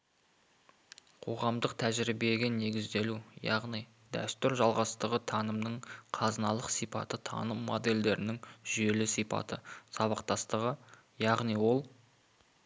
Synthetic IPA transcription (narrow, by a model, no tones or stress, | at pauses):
qʰo̞̰ʁɑmd̪əqt̪ʰæʒɾibe̞ɡʲɪne̞ɡʲɪzd̪e̞lujɑ̰ʁnij | d̪æ̰st̪ʏɾʒɑlˠʁɑst̪əʁət̪ʰɑnəmnəɴqʰɑzənɑlˠəqsijpɑ̰t̪ət̪ʰɑ̰nəmːo̞d̪e̞ld̪e̞ɾɪnɪŋʒʏe̞lɪsijpɑ̰t̪əsɑβɑqt̪ɑst̪əʁə | jɑʁnijwo̞lˠ